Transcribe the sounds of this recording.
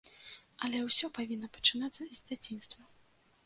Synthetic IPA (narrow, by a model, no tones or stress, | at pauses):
ɐlʲɛwsʲɔpavʲinːɐpɐ̥t͡ʂɨnat̪sːɐzʲd͡zʲat͡sʲinst̪vɐ